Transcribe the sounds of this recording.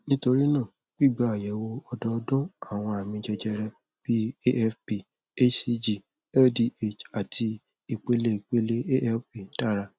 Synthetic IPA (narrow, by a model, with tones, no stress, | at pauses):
nĩ˦to˧ɾi˦nã˦˨ | ɡ͡b̥i˦˨ɡ͡ba˦˨a˨jɛ˨˦wo˧ɔ˧dɔ˧˦dɔ̃˦a˦˨w̃ɔ̃˧a˨mĩ˧d͡ʒɛ˧d͡ʒɛ˧ɾɛ˧ | b̥i˦e˦ɛ˦fpi˨ | e˦si˧d͡ʒi˦˨ | ɛ˦di˦ʔe˦˨t͡ʃa˨tʰi˧ | i˨k͡pe˦le˦i˨k͡pe˦le˦e˦ʔɛ˦fpi˦˨n̩˦ta˦ɾa˧